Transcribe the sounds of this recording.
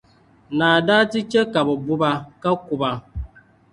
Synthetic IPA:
naː˨da˦ti˦t͡ʃe˦ka˨bɔ˨bu˦ba˨ka˦ku˨ba˨

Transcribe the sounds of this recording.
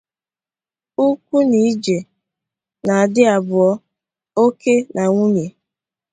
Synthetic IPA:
u˦k̚ʷu˦ni˨˦d͡ʒe˨ | na˨a˨dɪ˦a˨bʊ˨ɔ˦ | o˦ke˦nʔa˨ŋʷu˦ɲe˨

